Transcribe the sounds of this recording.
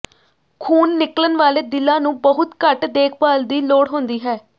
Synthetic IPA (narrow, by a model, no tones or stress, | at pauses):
kʰuːnːɪklənʋaːleːd̪ɪlːãːnũːbəɦʊt̪kəʈd̪eːkʰbaːld̪iːloːɽɦõːnd̪iːɦɛː